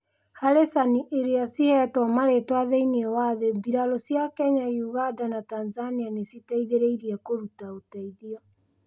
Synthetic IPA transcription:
haɾesaniʔeɾeasihɛtwɔmaɾetwaðeineɛwaðebiɾalosjakɛɲajuɣandanatanzanianesitaiðeɾeiɾiɛkoɾutaotaiðiɔ

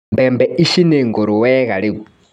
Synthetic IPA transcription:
mbɛmbɛiʃineŋɡoɾuwɛɣaɺiu

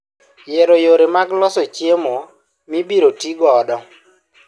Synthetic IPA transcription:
jeɾojoɾemaɡlɔsɔt͡ʃjemo | mibiɾotiɡɔːdɔ

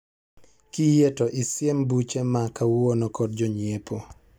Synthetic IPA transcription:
kijetoʔɪsjembut͡ʃemakawonɔkɔd̚d͡ʒɔɲiepo

